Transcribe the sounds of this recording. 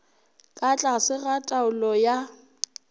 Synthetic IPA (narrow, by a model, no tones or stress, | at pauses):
kʼat͡ɬʼasɪɣatʼaʊlɔja